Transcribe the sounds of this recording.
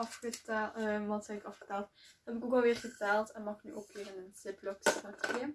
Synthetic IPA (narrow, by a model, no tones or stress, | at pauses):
ɑfχətʋɑntsɛɪkɑfxə̥tɛːlˠtɛbɪkoːkɑlˠʋɪːrɣətɛlˠtɛnmɑxny̰ʔoːkɪːvənənsɪplɔksɑte